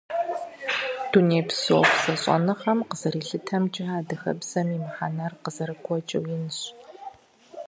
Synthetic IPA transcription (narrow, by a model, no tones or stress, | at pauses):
d̥uneːpsoːpsɐɕʼɔ̰nɨχɐmqəz̥ɐɾiːɬɨtʰɐmt͡ʃʼɪɦaːdɐxɐ̰bz̥ɐmimħanɐrqəzɐɾɨkʷʰɔt͡ʃʼɐ̰wjɪnɨɕ